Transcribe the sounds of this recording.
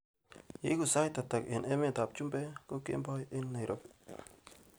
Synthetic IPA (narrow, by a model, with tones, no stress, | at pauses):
jḭ˦ku˨sa˦jta˨ta˨kɪ˨ne˦me˦˨ta˨p̚t͡ʃu˦mbɛ˦ko˦kḛ˦mbɔ˦jɪ˦nːa˨jɾʔo˨p